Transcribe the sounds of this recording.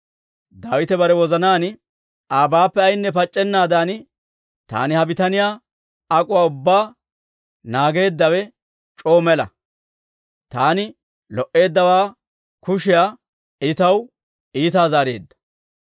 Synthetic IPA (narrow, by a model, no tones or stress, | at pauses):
d̪aːwɪt̪ɛbɐɾɛwɔzɐnaːn | aːbaːpːɛɐjnːɛpɐt͡ʃʼːɛnːaːd̪aːn | t̪a̰ːnɪhɐbɪt̪ɐnɪjaː | kʼʊwaːʊbːaː | naːɡe̞ːd̪ːɐwɛ | t͡ʃʼo̞ːmɛlɐ̰ | t̪aːnɪ | lɔʔe̞ːd̪ːɐwaː | kʊʃɪjaː | ɪt̪ɐw | iːt̪aːzaːɾe̞̰ːd̪ːɐ̥